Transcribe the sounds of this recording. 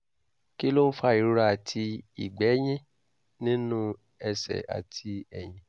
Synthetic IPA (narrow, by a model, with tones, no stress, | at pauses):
ki˦lo˦n̩˦fa˦i˨ɾu˦ɾa˦˨a˨tʰi˧ḭ˨ɡ͡bɛ˨˦j̃ĩ˦ | nĩ˦nũ˦ | ɛ˧sɛ̰˨a̰˨tʰi˧ɛ˨j̃ĩ˨